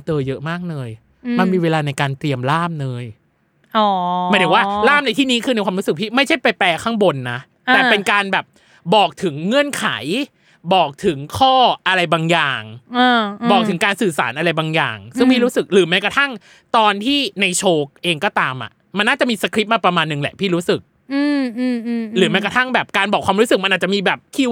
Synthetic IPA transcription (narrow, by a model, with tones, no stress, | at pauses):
t͡ɕ̪ɤː˧jɤ˦˥ʔmaː˥˩k̚nɤː˧j | ma˧nmiː˧weː˧laː˧na˧jkaː˧nt̪ɾi˧əmlaː˥˩mnɤː˧j | ɔː˨˩aː˧˩d̪ʰwaː˥˩laː˥˩mna˧jt̪ʰiː˥˩niː˦˥kʰɯː˧na˧jkʰwaː˧mɾu˦˥sɯ˨˩k̚pʰiː˥˩ma˥˩jt͡ɕʰa˥˩jpa˧jpɛː˧kʰaː˥˩ŋbo˧nːa˦˥ | t̪ɛː˨˩pe˧nkaː˧nbɛː˨˩p̚ | bɔː˨˩k̚t̪ʰɯ˩˦ŋːɯ˧˩ənkʰa̰˩˦j | bɔː˨˩k̚t̪ʰɯ˩˦ŋkʰɔː˥˩ʔa˧ɾa˧jbaː˧ŋjaː˨˩ŋaː˧bɔː˨˩k̪ʰɯ˩˦ŋkaː˧nsɯː˨˩sa̰ː˩˦nʔa˧ɾa˧jbaː˧ŋja̰ː˨˩ŋsɯ˥˩ŋpʰiː˥˩ɾuː˦˥sɯ˨˩k̚ɾɯː˩˦mɛː˦˥kɾa˧t̪ʰa˥˩ŋ | t̪ɔː˧nt̪ʰiː˥˩na˧jt͡ɕʰoː˧k̚ʔeː˧ŋkɔː˥˩t̪aː˧mʔa̰˨˩ | ma˧nːaː˥˩t͡ɕa˨˩ʔmiː˧sa˧kʰɾi˦˥p̚maː˧pɾa˧maː˧nːɯ˨˩ŋlɛ̰˨˩ʔpʰiː˥˩ɾuː˦˥sɯ˨˩k̚ | ɯː˧˩˧ | ɾɯː˩˦mɛ˦˥jka˧t̪ʰa˥˩ŋbɛː˨˩p̚kaː˧nbɔː˨˩kʰwaː˧mɾuː˦˥sɯ˨˩k̚ma˧nʔːt̪̚t͡ɕʔmiː˧bɛː˨˩p̚kʰiː˥˩